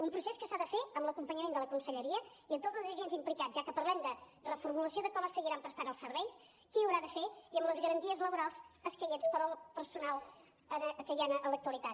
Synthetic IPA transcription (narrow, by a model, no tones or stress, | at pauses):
umpɾuseskəsaðəfeəmləkumpəɲəmend̪ələkunsəʎəɾiə | iənt̪odd͡zəlˠzəʒenzimplikazʒakəpəɾlɛmd̪ə | rəfuɾmuləsioðəkɔməsəɣiɾampɾəst̪anəlˠsəɾβɛjs | kiəwɾaðəfeiəmləzɣəɾənt̪iəzləβuɾalˠzəskɛjənspəɾəlˠpəɾsunalˠ | əkəjanələkt̪uəlˠit̪at̪